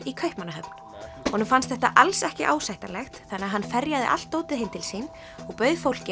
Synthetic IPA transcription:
ikʰœjhpmanːaɦœpn̥ | hɔːnʏmfanst̪θɛht̪a̰ʔalsɛhcɪʔa̰ːwsajht̪anlɛxt̪θanɪaɦanːfɛɾjaðɪ̰ʔa̰l̥t̪ːoːwt̪ɪðhemt̪ʰɪlsiːn | ɔɣpœːɥðfowl̥cɪ

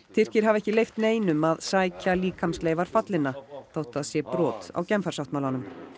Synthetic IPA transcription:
t̪ʰɪr̥cɪɾ̥ɦavɛhcɪlejft̪neːjnʏmaðsaːjcaliːkʰamsleːjvaɾ̥fat̪lɪnːaθowht̪aðsjɛpɾɔːt̪a̰wcɛmfaɾ̥sawt̪maːlanʏm

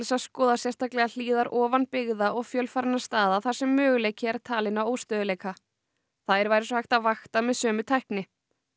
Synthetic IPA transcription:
lsaskɔːðasjɛr̥st̪aklɛɣal̥iːðaɾʔɔːvanpɪɣðaʔɔɣfjœlfaɾɪnḁst̪aːðaθḁsɛmːœːɣʏleːjcɪɛɾ̥t̪ʰaːlɪnawoːwst̪œːðʏleːjka | θaðɛɾvaːjɾɪsɔhajht̪aðvaxt̪amɛðsœːmʏt̪ʰajhknɪ

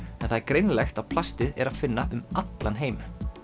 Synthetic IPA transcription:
ɛnθaɛɾkɾejnlɛxt̪apʰl̥ast̪ɪðɛɾaðfɪnːaʔʏmat̪lanɦeːjmʏ

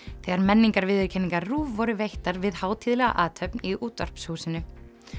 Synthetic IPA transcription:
θɛːɣaɾmɛnːiŋkaɾvɪːðɪɾcʰɛnːiŋkaɾruːvːɔɾʏvejht̪aɾvɪðhaːwt̪ʰiðlɛɣa̰ʔaːt̪ʰœpniuːt̪ar̥pshuːsɪnːʏ

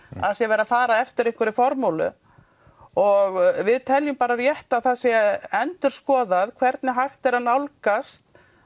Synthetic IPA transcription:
a̰ðsjɛvɛːɾafaːɾaɛft̪ɪɾejŋ̥kʰvɛɾɪfɔɾmowlʏ̰ | ɔɣvɪðt̪ʰɛljʏmpaːɾarjɛht̪aθaðsjɛɛnt̪ʏɾ̥skɔːðaðkʰvɛɾt̪nɪɦajxt̪ɛɾ̥hanːawlkast̪

